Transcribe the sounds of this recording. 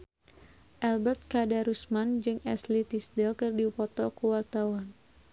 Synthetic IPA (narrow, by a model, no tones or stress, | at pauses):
ʔɛlbɛrt̪̚kadaɾusmand͡ʒɨŋɛslit̪isdɛlkɨrdipɔt̪ɔkuwart̪awan